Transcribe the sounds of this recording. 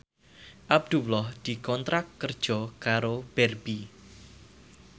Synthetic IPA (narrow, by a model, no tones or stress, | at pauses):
ʔab̚d̪̥ulɔhd̪̥ikɔnt̪ɾakːərd̥ʒ̥ɔkaɾob̥ɛrb̥i